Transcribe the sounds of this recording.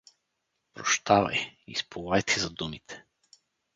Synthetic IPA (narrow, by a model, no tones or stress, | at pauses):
pɾoʃt̪avɐ̰jḭspʰovajt̪ʰɛzɐd̪umit̪ʰɛ̥